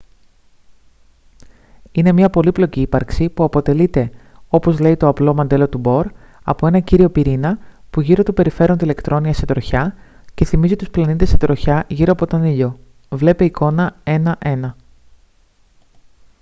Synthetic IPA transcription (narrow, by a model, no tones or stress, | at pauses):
ine̞mɲɐpo̞liplo̞ciːpɐɾksipuɐpo̞t̪e̞lit̪e̞o̞po̞zle̞it̪o̞ɐplo̞mɐnd̪e̞lo̞t̪ubo̞ɾ | ɐ̰poe̞nɐciɾio̞piɾinɐpuʝiɾo̞t̪obe̞ɾife̞ɾo̞nt̪ile̞kt̪ɾo̞niɐse̞t̪ɾo̞çɐ | ce̞θimizit̪usplɐnit̪ese̞t̪ɾo̞çɐʝiɾo̞ɐpo̞t̪o̞niʎo̞ | vle̞peiko̞nɐe̞nɐʔe̞nɐ